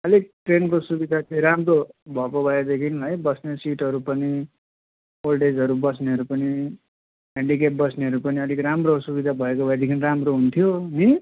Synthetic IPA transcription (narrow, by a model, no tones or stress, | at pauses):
ʌlik̚ʈrenkosubid̪ʱat͡seɾamrobʱʌkobʱʌed̪ekʰinlʌjbʌsnesiʈɦʌɾupʌni | olɖed͡zʌɾubʌsneɦʌɾupʌni | ɦẽɳɖik̬ep̚bʌsneɦʌɾupʌniʌlikramrosubid̪ʱabʱʌekobʱʌed̪ekʰinramroɦunt̪ʰjoni